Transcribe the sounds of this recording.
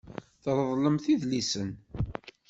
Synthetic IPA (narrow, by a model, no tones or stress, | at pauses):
θɾˤəðˤləmθiðlisən